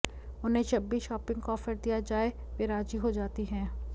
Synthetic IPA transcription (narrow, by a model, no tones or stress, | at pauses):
ʊnɦẽt͡ʃɐbːiːsʃɔːpɪ̃ŋɡɔːfəɾd̪ijad͡ʒaːe | ʋeɾaːd͡ʒiɦod͡ʒaːt̪iɦɛ̃ː